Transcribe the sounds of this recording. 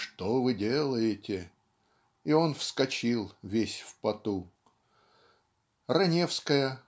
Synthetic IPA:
ʂt̪ovɨdʲelˠəjɪtʲɪ | io̞nfskɐt͡ɕilˠvʲesʲfpɐt̪u | rɐnʲefskəjə

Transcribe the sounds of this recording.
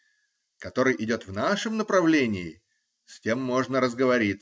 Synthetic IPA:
kɐt̪o̞ɾɨjʔɪdʲo̞t̪vnaʂɨmnəpɾɐvlʲenʲɪɪ | sʲtʲe̞mːo̞ʐnəɾəzɡəvɐɾʲit̪ʲ

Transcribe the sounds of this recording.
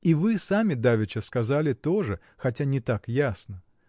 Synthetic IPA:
ivɨsamʲɪd̪avʲɪt͡ɕəskɐzalʲɪt̪oʐɨ | xɐtʲanʲɪt̪akjasnə

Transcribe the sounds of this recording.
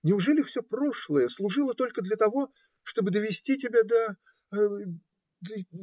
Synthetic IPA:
nʲɪʊʐɛlʲɪfsʲɵpro̞ʂlˠəjəslˠʊʐɨlˠət̪o̞lʲkəd̪lʲət̪ɐvo̞ | ʂt̪o̞bɨd̪əvʲɪsʲtʲitʲɪbʲad̪ə | d̪

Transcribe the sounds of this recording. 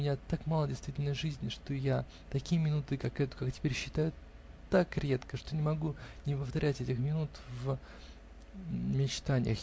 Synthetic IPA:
mʲɪnʲat̪akmalˠədʲɪjst̪vʲitʲɪlʲnəjʐɨzʲnʲɪʂt̪oja | t̪ɐkʲijəmʲɪnut̪ɨkakɛt̪ʊkaktʲɪ̥pʲeɾʲɕːɪ̥t̪ajʊ | t̪akɾʲe̞t̪kəʂt̪onʲɪmɐɡunʲɪpəft̪ɐɾʲʔætʲɛtʲɪxmʲɪnut̪v | mʲɪt͡ɕt̪anʲɪ̰jəx

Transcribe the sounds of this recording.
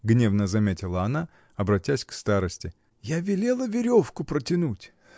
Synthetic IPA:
ɡnʲe̞vnəzɐmʲetʲɪlˠəɐna | ɐbɾɐtʲːæsʲkst̪aɾəsʲtʲɪ | javʲɪlʲe̞lˠəvʲɪɾʲo̞fkʊpɾətʲɪnutʲ

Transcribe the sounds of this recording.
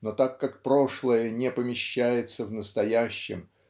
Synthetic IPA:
not̪akːakpɾo̞ʂlˠəjənʲepəmʲɪɕːæjɪt̪səvnəst̪ɐjæɕːɪ̰m

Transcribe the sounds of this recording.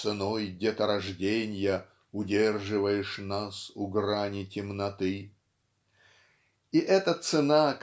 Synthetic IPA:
sɨnojɡdʲeɛt̪əɾɐʐdʲenʲjə | ʊdʲerʐɨvəjɪʂnasʊɡranʲɪtʲɪmnɐt̪ɨ | iʔɛt̪ət̪sɨnak

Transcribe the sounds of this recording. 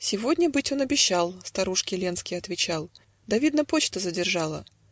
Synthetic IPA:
sʲɪvodʲnʲəbɨtʲo̞nɐbʲɪɕːalˠst̪ɐɾuʂkʲɪlʲenskʲɪjɐt̪vʲɪt͡ɕalˠ | d̪ɐvʲid̪nəpot͡ɕt̪əzədʲɪrʐɑlˠə̰

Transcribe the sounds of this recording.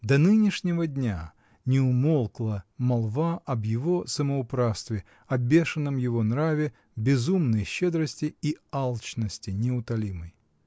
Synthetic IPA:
d̪ɐnɨnʲɪʂnʲɪvədʲnʲa | nʲɪʊmolˠklˠəmɐlˠvaɐbjɪvosəməʊpɾafst̪vʲɪ | ɐbʲe̞ʂɨnːəmjɪvo̞nɾavʲɪ | bʲɪzumnəjɕːed̪ɾəsʲtʲɪialˠt͡ɕnəsʲtʲɪnʲɪʊt̪ɐlʲiməj

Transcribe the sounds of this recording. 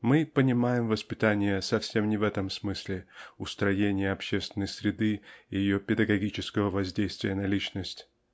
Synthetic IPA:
mɨpənʲɪmajɪmvəspʲɪt̪anʲɪjəsɐfsʲe̞mnʲɪvɛt̪əmsmɨsʲlʲɪʊst̪ɾɐjenʲɪjəɐpɕːest̪vʲɪnːəjsʲɾʲɪd̪ɨijɪjopʲɪd̪əɡɐɡʲit͡ɕɪskəvəvɐzʲdʲejst̪vʲɪjənɐlʲit͡ɕnəsʲtʲ

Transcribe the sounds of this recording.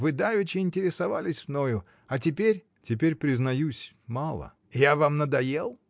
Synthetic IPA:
vɨd̪avʲɪt͡ɕɪɪnʲtʲɪɾʲɪsɐvalʲɪsʲvno̞jʊ | ɐtʲɪpʲeɾʲ | tʲɪp̬ʲeɾʲpɾʲɪznɐjusʲ | malˠə̰ | javamnəd̪ɐjelˠ

